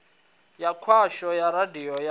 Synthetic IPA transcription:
jakʰwaʃɔjaɾadiɔja

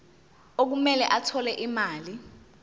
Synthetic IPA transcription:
ok̬umɛlɛʔatʰɔlɛʔimaːli

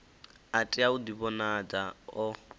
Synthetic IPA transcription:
atʼiaudiβɔnad͡zaɔ

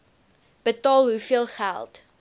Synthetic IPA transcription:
b̥ətɑːlˠɦufiəlˠχæ̰lˠt

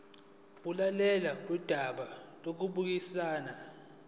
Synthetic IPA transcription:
ulalɛlak̬ud̥ʱaɓalok̬uɓuk̬isaːna

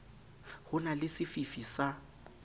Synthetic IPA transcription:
hʊnalɪsɪfifisa

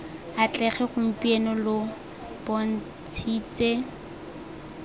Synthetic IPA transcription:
at͡ɬʼɛχɛχʊm̩pienɔlʊ | pon̩ | t͡sʰiːt͡sʼe

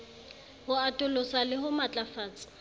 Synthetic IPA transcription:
hʊatʼʊlʊsalɪɦʊmat͡ɬʼafaːt͡sʼɪ̥

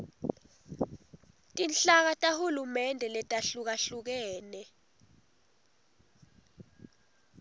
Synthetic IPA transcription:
tʼinɬʼak̬atʼahulumɛndʱɛlɛtʼaɬuk̬aɬuk̬ɛːnɛ

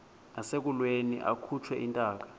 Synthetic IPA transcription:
nasek̬ulwenḭʔa̰kʰut͡ʃʰwɛʔintʼaːk̬ḁ

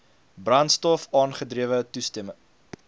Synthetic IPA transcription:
brɐntstɔfɑːnχədriəvətustɛmə

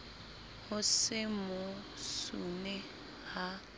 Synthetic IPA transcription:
hʊsɪmʊ | sṵnɛ | ha

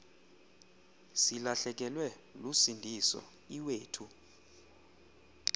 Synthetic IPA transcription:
silaɬɛk̬ɛlwɛ | lusindʱisɔ̰ | iweːtʰu

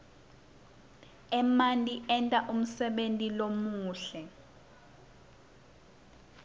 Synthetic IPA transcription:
ɛmantʼiɛntʼaʔum̩sɛɓentʼilomuːɬɛ

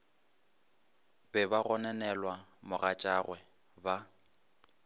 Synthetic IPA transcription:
bɛbaɣɔnɛnɛlwamʊɣat͡ʃʼaɣwɛ | ba

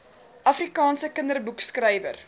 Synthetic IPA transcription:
ʔɐfrikɑːnsəkəndərbukskrɛjvə̰r

